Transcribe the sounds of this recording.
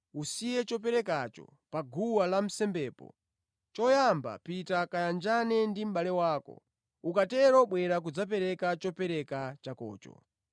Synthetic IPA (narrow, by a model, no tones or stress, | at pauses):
usijɛt͡ʃɔp̬ɛɾɛk̬at͡ʃɔ̰ | paɡuwalam̩sɛmbɛːpɔ̰ | t͡ʃɔjamba̰pitakajand͡ʒanɛndim̩ɓalɛwaːkɔ̰ | ukatɛɾɔɓwɛɾak̬ud͡zap̬ɛɾɛkat͡ʃɔpɛɾɛkat͡ʃakɔ̰ːt͡ʃɔ̰